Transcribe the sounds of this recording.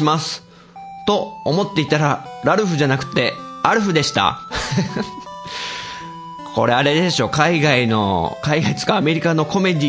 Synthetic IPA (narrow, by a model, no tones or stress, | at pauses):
imasɨ̥ | t̪o̞omo̞t̪ːe̞it̪aɾaɾaɾɯ̟ɸɯ̟ʑanakɯ̟̥t̪ːe̞ | aɾɯ̟ɸɯ̟d̪e̞ɕi̥t̪a̰ | kʰo̞̰ɾe̞aɾe̞d̪e̞ɕo̞ːkaiɡaino̞̰kaiɡait͡sɨ̥kaame̞ɾʲikano̞kʰo̞me̞d̪ʲi